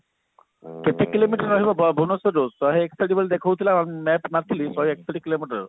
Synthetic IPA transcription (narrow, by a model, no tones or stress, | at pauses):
ket̪ʰekilomiʈɔɾːɔɦibɔbɔbʱunɔsɔɾosɔɦeeksaʈibɔlid̪ekʰowt̪ʰilamɛpnat̪ʰilisɔɦeeksaʈikilomiʈɔɾ